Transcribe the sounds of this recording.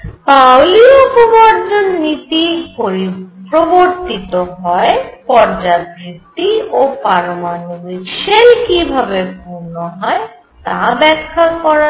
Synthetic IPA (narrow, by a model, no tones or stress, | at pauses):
pawliopobaɾd͡ʒonnit̪ipoɾipɾoboɾt̪it̪oɦɔepɔɾd͡ʑabʱɾit̪iopaɾomanobiʃelkibʱabepuɾnoɦɔe | t̪abɛkʰːakɔɾa